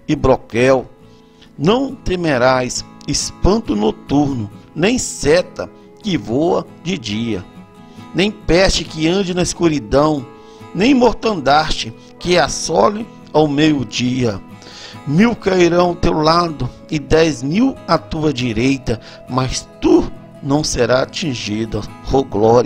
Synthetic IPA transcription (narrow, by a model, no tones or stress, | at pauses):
ɪbɾokɛw | nɐ̃w̃t̪emeɾajsɪspɐ̃nt̪ʊnot̪uɾnʊnẽj̃sɛt̪ɐ | kɪvowɐ | d͡ʒɪd͡ʒiɐ̰ | nẽj̃pɛst͡ʃɪkɪɐ̃nd͡ʒɪnɐiskuɾid̪ɐ̃w̃ | nẽj̃moɾt̪ɐ̃nd̪aɾt͡ʃɪ | kɪɛasɔlɪ | awmejʊd͡ʒiɐ | miwkajɾɐ̃w̃ʊt̪ewlad̪ʊ | ɪd̪ɛzmiwat̪uɐd͡ʒiɾejt̪ɐ | mɐst̪u | nɐ̃w̃seɾaat͡ʃĩʒid̪ɐhoɡlɔɾ